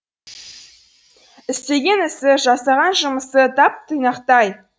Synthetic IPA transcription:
ɪst̪e̞ɡʲe̞nɪsɪʒɑsɑʁɑnʒəməsət̪ʰɑp̚t̪ʰəjnɑqt̪ɑj

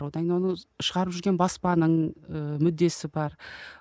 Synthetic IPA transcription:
wod̪ɑŋʲnewo̞nəʃəʁɑɾəpʒʏɾɡʲenbɑspɑnəɴəmʏd̪ːe̞sɪbɑɾ

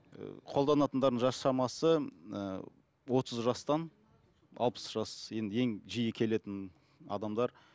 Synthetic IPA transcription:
ə̰qʰo̞lˠd̪ɑnɑt̪ənd̪ɑɾd̪əɴʒɑsʃɑɾmɑsə̰ | wo̞t̪ʰəzʒɑst̪ɑn | ɑ̰lˠpə̥sʒ̥ɑsje̞nd̪əe̞ŋʒijɪkʲʰe̞le̞t̪ɪn | ɑ̰d̪ɑmd̪ɑɾ

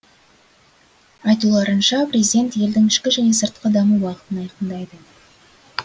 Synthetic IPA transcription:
ɑjt̪ulˠɑɾənʃɑpɾʲezid̪ʲe̞nt̪je̞ld̪ɪŋɪʃkʲɪʒæne̞səɾt̪̚qəd̪ɑməwɑqə̥t̪ənɑjqənd̪ɑjd̪ə

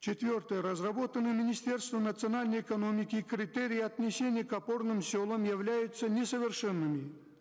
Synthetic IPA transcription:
t͡ɕɪt̪vʲort̪əjəɾəzrɐbo̞t̪ənːɨjəmʲɪnʲɪsʲtʲe̞rst̪vənət̪sɨɐnalʲnəjɪkɐno̞mʲɪkʲɪkɾʲɪt̪ɛɾʲɪjɐt̪nʲɪsʲenʲɪjəkɐpo̞rnɨmsʲolˠəmjɪvlʲæjʊt̪sːənʲɪsəvʲɪrʂɛnːɨmʲɪ

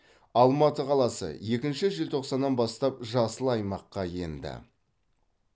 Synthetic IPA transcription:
ɑlˠmɑt̪əqʰɑlˠɑsə̰je̞kʲɪnʃɪʒɪlt̪ʰo̞qsɑnːɑnbɑst̪ɑp̚ʒɑsəlˠɑjmɑqːɑje̞nd̪ɪ̰

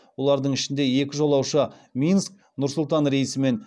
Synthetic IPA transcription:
wo̞lˠɑɾd̪əɴɪʃɪnd̪e̞je̞kʲɪʒo̞lˠɑwʃə | mʲinsk̚ | nʊɾsʊlˠt̪ɑnɾe̞jisɪme̞n

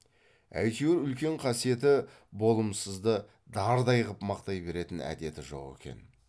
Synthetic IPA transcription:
æ̰jt̪ewɪɾʏlkʲe̞ɴqʰɑsije̞t̪ɪ | bo̞lˠəmsəzd̪ə | d̪ɑɾd̪ɑjʁəpmɑqt̪ɑjbe̞ɾe̞t̪ɪnæ̰d̪e̞t̪ɪʒo̞̰qe̞̰kʲe̞̰n

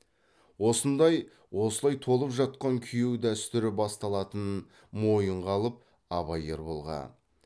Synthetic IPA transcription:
wo̞sənd̪ɑj | wo̞səlˠɑjt̪ʰo̞lˠəpʒɑt̪̚qɑŋkʲʰʏjewd̪æst̪ɪɾɪbɑst̪ɑlˠɑt̪ən | mo̞jəɴʁɑlˠəp̚ | ɑβɑjeɾbo̞lˠʁɑ̰n

